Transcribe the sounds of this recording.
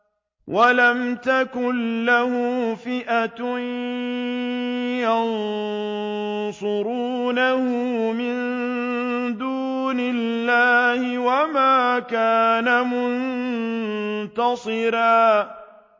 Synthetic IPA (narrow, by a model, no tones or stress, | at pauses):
wʔalamt̪akʊnːahʊfɪʔat̪ | jɑn | sˤʊɾuːnahʊmɪn | d̪uː | nɪlːaːhɪwamaːkaːnamʊn | t̪ɑsˤɨɾaː